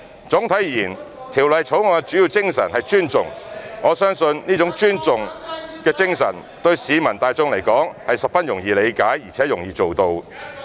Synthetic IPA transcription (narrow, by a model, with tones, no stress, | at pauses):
t͡sʊ˨˥ŋt̪ʰɐ˨˥jjiː˨˩n | t̪ʰiː˨˩wlɐ˨jt͡sʰo˨˥wŋɔː˧ɛ˧t͡ʃyː˨˥ji˧wt͡sɪ˥ŋsɐ˨˩nhɐ˨jt͡ʃyː˥nt͡sʊ˨ŋŋɔː˨˧sœː˥ŋsɵ˧nniː˥t͡sʊ˨˥ŋt͡ʃyː˥nt͡sʊ˨ŋkɛː˧t͡sɪ˥ŋsɐ̰˨˩n | t̪ɵ˧ɥsiː˨˧mɐ˨˩nt̪aː˨˧jt͡sʊ˧ŋlɐ˨˩jkɔː˨˥ŋhɐ˨jsɐ˨p̚fɐ˥njʊ˨˩ŋjiː˨˧le˨˧jkaː˨˥jjiː˨˩t͡sʰɛː˨˥jʊ˨˩ŋjiː˨˧t͡so˨wt̪o˧w